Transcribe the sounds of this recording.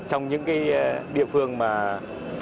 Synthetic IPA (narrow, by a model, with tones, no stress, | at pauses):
t͡ɕɔ˧wŋ͡mɲɨ̰˧˥ŋkaː˨˦jɗḭ˧˨əfɨ˧əŋmaː˨˩